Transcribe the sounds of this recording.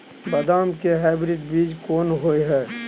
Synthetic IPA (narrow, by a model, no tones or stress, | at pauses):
bɐd̪aːmkeɦaːɪbɾɪɖbiːd͡ʒkoːnɦoːeɦɛː